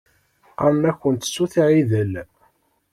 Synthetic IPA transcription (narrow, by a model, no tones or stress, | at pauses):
æmæçːənt̪sːuθʕiðəl